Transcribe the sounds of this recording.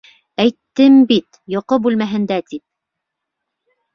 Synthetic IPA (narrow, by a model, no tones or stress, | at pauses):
æjt̪ːɘmbit̪ | joqobʉlmæɦɘ̆nd̪æt̪ip̚